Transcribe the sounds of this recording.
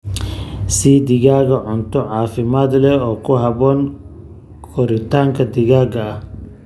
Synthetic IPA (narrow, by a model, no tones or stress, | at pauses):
siːd̪ɪɣaːɣɐʕʊnt̪ʰɔʕaːfɪmaːd̪lɛɔːkʰʊɦɐβɔːn | kʰɔɾɪt̪ʰaːŋkʰɐd̪ɪɣaːɡɐɐh